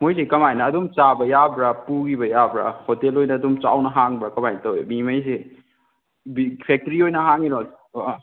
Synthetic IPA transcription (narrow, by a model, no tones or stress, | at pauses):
mojs̬ekɐmajnɐːdumt͡ʃabɐjabɾapuɡibɐjabɾa̰hotelojnɐːdumt͡ʃa̰wnɐɦaŋbɾakɐmajntɐwemimɐjs̬e | bipʰek̚tɾiojnɐɦaŋiɾo